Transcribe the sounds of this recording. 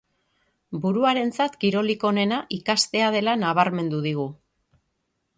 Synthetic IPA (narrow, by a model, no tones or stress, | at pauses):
buɾuaɾe̞nt͡sat̪kiɾo̞liko̞ne̞naʔikast̪e̞að̞e̞lanaβ̞aɾme̞nd̪uð̞iɣu